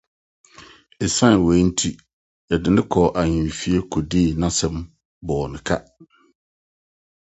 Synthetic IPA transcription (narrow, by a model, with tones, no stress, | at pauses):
e˨sã˦n˨wɛ˨˦n̩˦tʰi˦ | jɛ˨dɪ˨nɪ̃˦kʰɔː˨ʔa˨ɲɪ̃˨fi˦e˦kʰo˨diː˦˨nã˦sɛ̃˦m | bɔː˨nɪ̃˨kʰa˦